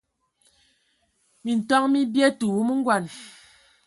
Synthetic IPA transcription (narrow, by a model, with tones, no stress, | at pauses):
mi˨n̩˨tɔ˦ŋmi˦bjɛ˦tu˨wu˦mu˦ŋ̩˦ɡwa˨n